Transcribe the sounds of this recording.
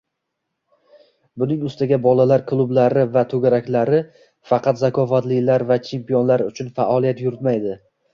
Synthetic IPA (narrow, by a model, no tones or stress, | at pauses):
bʊnɪŋʊst̪aɡʲabɒlalaɾkʰlˠʊblaɾɪvat̪ʰɵɡʲaɾakʲlaɾɪ | fɑqɑt̪zakʰɒfat̪lɪlaɾvat͡ʃʰe̞mpijonlaɾʊt͡ʃʰʊnfaʔɒlˠijat̪jʊɾɪt̪majd̪ɪ